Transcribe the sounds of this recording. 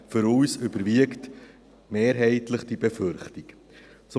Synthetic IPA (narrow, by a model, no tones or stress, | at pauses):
fʏɾuːsʏbəɾviəkt | meːɾɦɛɪtləχd̥ibeføɾχtik | t͡sʊ